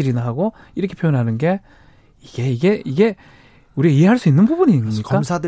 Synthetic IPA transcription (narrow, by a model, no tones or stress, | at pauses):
iɾinaɦaɡo | iɾʌkʰe̞pʰjojonɦanɯnɡe̞ | iɡ̥e̞iɡe̞iɡe̞ | uɾiaiɦe̞ɦaɭs͈uinːɯnbubuniɲimɲikk͈amsʰadɯ